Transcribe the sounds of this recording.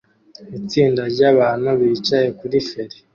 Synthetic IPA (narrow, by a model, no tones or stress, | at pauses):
it͡siːndaɾɟaβaːnuβiːt͡ʃaje̞kuɾife̞ɾe